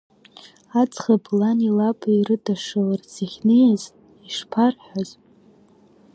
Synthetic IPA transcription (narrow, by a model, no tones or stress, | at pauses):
at͡sʰʼχablanilapʰʼairɨdaʂɨlart͡sʰaχʲnejaz | iʂpʰarħaz